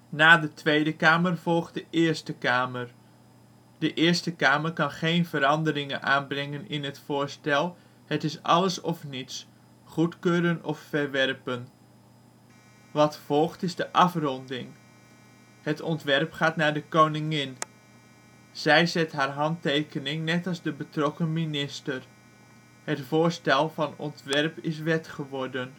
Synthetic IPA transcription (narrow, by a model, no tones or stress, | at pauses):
naːdətʋejdəkaːmərv̥ɔlˠχt̚dəʔɪːɹstəkaːmər | dəʔɪːɹstəkaːməɹkɑnχejnvəɾɑndəɾɪŋənʔa̰ːnbrɛŋənɪnɦətfʊːɹstɛlˠ | hətɪsɑ̰ləsɔfnits | χutkøːɾənɔffəɹʋɛrpən | ʋɑtfɔlˠχtɪzdəʔɑfrɔndɪŋ | hətɔntʋɛrpχaːtnaːɹdəkownɪŋɪn | z̥ɛjzɛtɦaːɹɦɑntejkənɪŋnɛtɑlˠzdəbətrɔkəminɪstər | hətfʊːɹstɛlˠvɑnɔ̰ntʋɛrpɪs̬ʋɛtχəʋɔɹdən